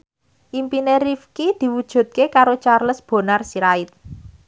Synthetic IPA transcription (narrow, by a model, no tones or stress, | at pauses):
ʔimpinerifkid̪̥i̤wud̥ʒ̥ṳt̪̚kekaɾot͡ʃarləsb̥o̤narsiɾaɪt̪̚